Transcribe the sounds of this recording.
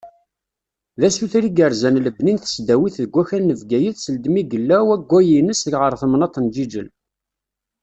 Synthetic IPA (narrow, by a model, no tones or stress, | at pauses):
ðæsuθɾiɡəɾzænləbninθə̥sd̪æwiθðəɡʷæçænːəvɡæjəθsəld̪miɡəlːæwæɡʷːæjinəsðəkʁəɾˤθəmnɑt̪ˤənd͡ʒid͡ʒəl